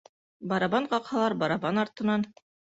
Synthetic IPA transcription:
bɑɾɑβɑnqɑqhɑlˠɑɾbɑɾɑbɑnɑɾt̪ɤ̆nɑn

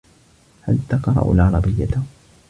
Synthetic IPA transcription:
halt̪ɑqɾˤɑ̰ʔlʕɑɾˤɑbɪjːat̪

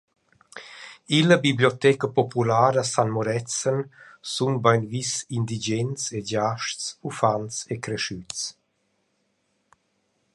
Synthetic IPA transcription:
iləbibljɔt̪ɛkəpɔpulaːɾəsanmuɾɛt͡sənsunbajnvisind̪id͡ʒɛnt͡seɟaʃtt͡sufant͡sekɾɛʃyt͡s

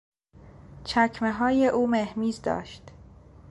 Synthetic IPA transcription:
t͡ʃʰæcʰmeɦɒːjeʔuːmehmiːzd̪ɒ̰ːʃt̪

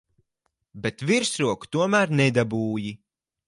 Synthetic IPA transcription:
bet̪viɾsɾuɔku̥t̪uɔmæɾnɛd̪abuːji

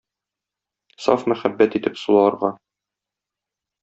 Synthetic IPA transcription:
sɑ̰fmæχæbːæt̪it̪ɘpsulˠɑɑɾʁɑ

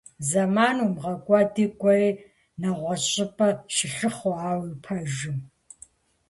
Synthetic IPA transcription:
zɐmaːnuːmʁɐkʷʼɑdiːkʷʼɔi | nɐʁʷɔɕʼɪpʼɐʃɪɬɨχoaːwipʰɐʒɪm

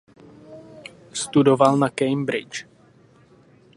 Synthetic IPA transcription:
st̪udovalnakɛjmbɾɪt͡ʃ

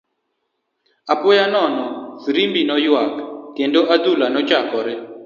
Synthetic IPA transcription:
apɔjanɔnɔsɾimbinɔjwaktjendoʔad̪ulanɔt͡ʃakɔɾɛ

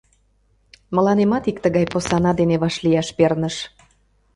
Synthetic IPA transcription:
məlɑnemɑt̪ik̚t̪əɣɑjposɑnɑd̪eneβɑʃlijɑʃpernəʃ

